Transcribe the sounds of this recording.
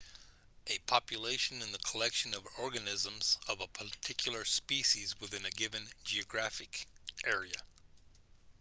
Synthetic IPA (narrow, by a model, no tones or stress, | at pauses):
ʔɨpʰɑpjɨleɪʃɨ̃nɨ̃nðɨkʰəlɛkʃɨ̃nʌvɔɹɡɨnɪzə̃mzʌvəpʰə˞tʰɪkʰjl̩ˠə˞spiʃizwɨθɪ̃nɨɡɪvɨ̃nd͡ʒiɨɡɹæfɨkʔɛɹiɨ